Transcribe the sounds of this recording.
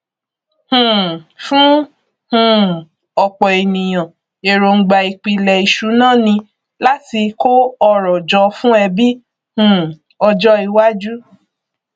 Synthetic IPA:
hũ˨fũ˦ | hũ˦ | ɔ˧k͡pɔ˨e˨nĩ˨j̃ã˨ | e˨ɾo˧ŋ̩˧ɡ͡ba˨˧i˧k͡pi˧lɛ˨i˨ʃu˨˦nãː˦˨nĩ˧ | la˦ti˧ko˦ɔ˧ɾɔ˨d͡ʒɔ˧˦fũ˦ɛ˧bi˦ | hũ˨ | ɔ˧d͡ʒɔ˦i˧wa˦d͡ʒu˦

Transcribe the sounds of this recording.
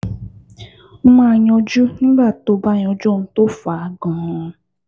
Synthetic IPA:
m̩˦ma˦˨ɲɔ˦d͡ʒu˦ŋ̩˦ba˦˨to˨ba˦˨ɲ˨ɔ˨d͡ʒo˦˨n̩˨to˦fa˨˦ɡɔ̃˨ɔ˨˦

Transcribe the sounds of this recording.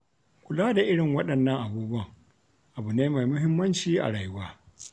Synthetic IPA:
kʷʊ˨laː˦da˨ʔɪ˦ɽɪ˨ŋwɐ˦ɗɐ˨nːɐ˦ŋʔa˨buː˦bʊ˦ɐ˦ŋ | ʔa˨bu˨neː˦ma˨jmʊ˦ɦɪ˦mːɐ˦nt͡ʃiː˦ʔa̰˨ɽaː˨ju˦waː˦

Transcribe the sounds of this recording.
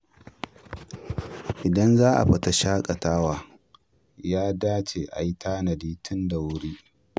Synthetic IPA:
ʔɪ˨dɐ˦nzaː˦ʔa̰˨ɸɪ˨ta˦ʃaː˦kʼɐ˨taː˦waː˨ | jaː˦daː˦t͡ʃeː˨ʔa̰˨ji˦tʰaː˦nɐ˨diː˦tʰʊ˦nda˨wʊ˦ɽiː˦

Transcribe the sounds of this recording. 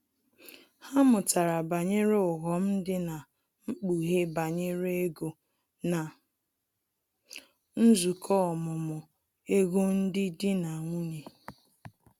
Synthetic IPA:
ha˦mʊ˨ta˨ɾa˨ba˨ɲe˦ɾe˦ʊ˨ɣɔ˨m̩˦dɪ˦na˨ | ŋ͡m̩˦k͡pu˨ɦe˦ba˨ɲe˦ɾe˦ɡo˨ | na˨ | n̩˦zu˨kʰɔ˦ɔ˨mʊ˨mʊ˨ | e˦ɣo˦n̩˦dɪ˦dɪ˦na˨ŋʷu˦ɲe˨

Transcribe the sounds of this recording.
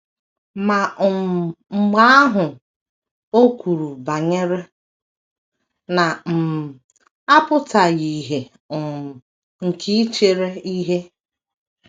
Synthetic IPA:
ma˨ | ŋ͡m̩˨ɡ͡ba˦a˦ɦʊ˨ | o˦kʷu˨ɾu˨ba˨ɲe˦ɾe˦ | na˨m̩˨ | a˦pʊ˦ta˨ji˨ɦe˨ | ŋ̩˨kʰi˦t͡ʃe˨ɾe˦i˦ɦe˦

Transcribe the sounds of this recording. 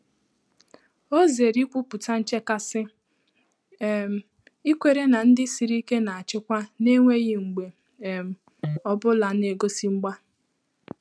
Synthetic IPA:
o˦ze˨ɾi˦kʷu˦pu˨ta˦n̩˦t͡ʃe˦ka˦sɪ˦˨ | m̩˨ | i˦kʷe˨ɾe˦na˨n̩˦dɪ˦si˨ɾi˦ke˦na˨a˨t͡ʃɪ˦kʷa˦ne˦ŋʷe˦ɣɪ˦ŋ͡m̩˨ɡ͡be˨ | m̩˨ | ɔ˦bʊ˦la˨ne˨ɡo˦si˦ŋ͡m̩˦ɡ͡ba˦

